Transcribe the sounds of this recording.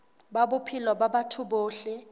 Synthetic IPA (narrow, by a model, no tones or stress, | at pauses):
babʊpʰilɔbabatʰʊboːɬɪ